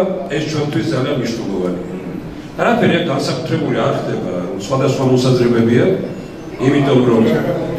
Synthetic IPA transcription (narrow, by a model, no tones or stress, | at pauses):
ɛst͡ʃʰwɛnt̪ʰwisd̪zalianmniʃnɛlˠɔvania | aɾapʰɛɾiak̚ɡansakʼut̪ʰɾɛbuliaɾχd̪ɛbaɔsχwad̪asχwamɔsazɾɛbɛbia | imit̪ʰʼɔmɾɔ